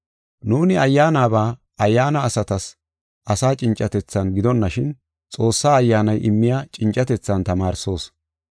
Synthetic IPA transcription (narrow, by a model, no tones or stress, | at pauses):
nuːnɪɐjːaːnaːbaː | ɐjːaːnɐːsɐt̪ɐs | ʔɐsaːt͡ʃʼɪnt͡ʃʼːɐt̪ɛt͡sːɐnɡɪd̪ɔnːɐʃɪn | t͡sʼo̞ːsːaːɐjːaːnɐjʔɪmːɪjaːt͡ʃʼɪnt͡ʃʼɐt̪ɛt͡sːɐnt̪ɐmaːɾso̞ːs